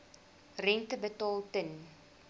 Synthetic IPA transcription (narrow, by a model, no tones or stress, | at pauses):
rɛntəbətɑːlˠtən